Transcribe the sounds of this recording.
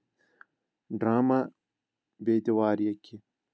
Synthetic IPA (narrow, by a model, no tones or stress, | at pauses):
ɖɾaːmɐ | beːt̪iwaːɾijɐkʲʰːi